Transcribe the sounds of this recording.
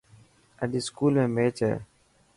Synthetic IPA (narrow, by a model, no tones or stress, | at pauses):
əɗiːskuːlmẽːmeːt͡ʃɦɛ̰ː